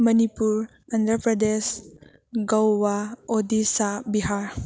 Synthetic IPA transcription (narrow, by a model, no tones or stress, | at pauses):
mɐnipuɾ | ɐnd̪əpɾɐdes | ɡawːaodisabiɦaɾ